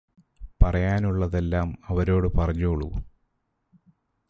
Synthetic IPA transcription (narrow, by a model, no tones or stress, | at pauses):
pɐrɐjaːnuɭːɐðe̞lːaːmɐʋɐɾo̞ːɽɨpɐrɐɲːoːɭṵ